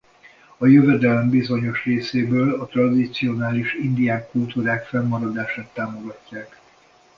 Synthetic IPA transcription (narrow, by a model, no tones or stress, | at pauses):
ɒjøvɛd̪ɛlɛmbizo̞ɲo̞ʃreːseːbøːlɒt̪rɒd̪it̪sio̞naːliʃind̪ijaːkːult̪uːɾaːkfɛmːɒɾɒd̪aːʃaːt̪ːaːmo̞ɡɒcːaːk